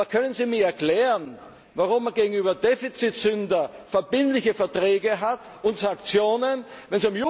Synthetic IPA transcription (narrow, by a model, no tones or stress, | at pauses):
akʰœnənziːmiːɐɛɐkl̥ɛːʁən | vaʁʊmːaɡeːɡŋ̩yːbɐdefit͡sitsʏndɐfɛɐbɪntlɪçəfɛɐtʁ̥ɛːɡəɦat | ʊntsãŋkt͡sjoːnənvɛnziʊmju